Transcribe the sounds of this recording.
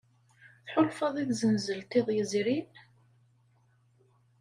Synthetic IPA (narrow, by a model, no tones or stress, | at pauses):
θħʊlfɑðˤiðzənzəlt̪iðˤjəzɾin